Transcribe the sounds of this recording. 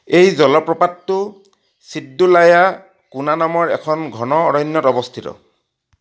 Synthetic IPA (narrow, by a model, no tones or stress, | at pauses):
ejzɔlɔpɹɔpatːʊ | sidːulaja | kunanamɔɹɛ̰kʰɔnɡʱɔnɔːɹɔnːɔtɔbɔst̪ʰitɔ̰